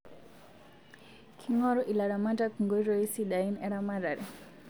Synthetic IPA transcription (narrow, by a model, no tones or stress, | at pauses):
kʰiŋɔɾɔʔilaɾamadakuŋɡɔiɾɔisiɗainɛɾamaɾaɾi